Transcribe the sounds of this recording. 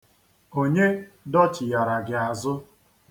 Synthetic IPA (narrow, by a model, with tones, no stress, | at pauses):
o˦ɲe˦ | dɔ˦t͡ʃɪ˨ja˨ɾa˨ɡɪ˨a˨zʊ˦